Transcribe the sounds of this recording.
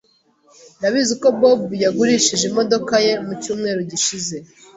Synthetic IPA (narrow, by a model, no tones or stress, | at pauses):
naβiziko̞bobujaɡuɾiːʃiʒimo̞do̞kaje̞mucuːmŋe̞ːɾuɟiʃize̞